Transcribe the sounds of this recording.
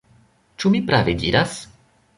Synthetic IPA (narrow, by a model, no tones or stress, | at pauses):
t͡ʃumipɾavedḭɾas